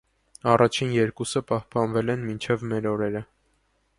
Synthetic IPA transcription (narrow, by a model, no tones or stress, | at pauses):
ɑrɑt͡ʃʰinjɛɾkusəpɑhpɑnvɛlɛnmint͡ʃʰɛvmɛɾɔɾɛɾə